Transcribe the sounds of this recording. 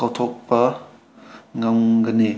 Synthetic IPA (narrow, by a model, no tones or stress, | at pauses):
awt̪ʰɔk̚pɐ | ŋamɡəne